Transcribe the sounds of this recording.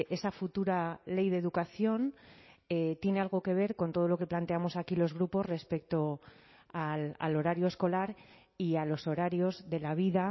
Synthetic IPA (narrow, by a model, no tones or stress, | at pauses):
ʔe̞safut̪uɾale̞jðe̞ðukaθjo̞net̪je̞ne̞alɣ̞o̞ke̞β̞e̞ɾkont̪o̞ð̞olo̞ke̞plant̪e̞amo̞sakilo̞zɣɾupo̞zre̞spe̞k̚t̪o | ala̰lo̞ɾaɾjoe̞sko̞laɾ | ialo̞so̞ɾaɾjo̞zðe̞laβ̞iða